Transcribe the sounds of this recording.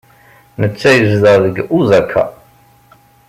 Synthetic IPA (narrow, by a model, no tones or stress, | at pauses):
nət͡sːæjəzðəðəɡuzækʰːæ̰